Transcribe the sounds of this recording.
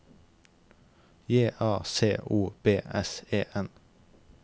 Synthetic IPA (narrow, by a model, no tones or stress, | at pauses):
jeːʔɑːseːʔuːb̥eːɛseːʔɛn